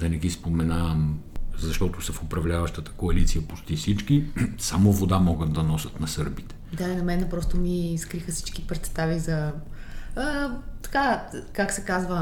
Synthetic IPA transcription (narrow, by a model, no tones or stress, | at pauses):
d̪ɐnɛɡispomɛnamzɐʃt̪ɔt̪osɐfʊpɾɐvlʲavɐʃt̪ət̪ə̥koɐlit̪sijəpʊt͡ʃt̪ifsit͡ʃkisamovod̪amɔɡət̪d̪ɐnɔsət̪nɐsɤɾbit̪ɛ̥d̪ainɐmɛnɛpɾɔst̪omiːskɾixəsi̥t͡ʃkipɾɛt̪st̪avizɐː | t̪ɐ̥kakaksɛkazvə